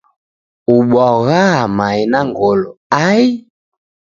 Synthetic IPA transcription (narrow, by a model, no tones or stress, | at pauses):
uɓaɣamainaŋɡɔlɔai